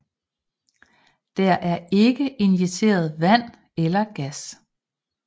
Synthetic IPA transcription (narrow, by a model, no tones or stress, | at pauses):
d̥æɐʔæɐe̝ɡ̥əʔe̝nʋit͡sʰe̝̰ːɐð̞̩ˠʋæn̰ | elɐɡ̥æs